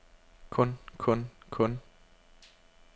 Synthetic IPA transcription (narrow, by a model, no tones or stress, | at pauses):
kʰɔnkʰɔnkʰɔn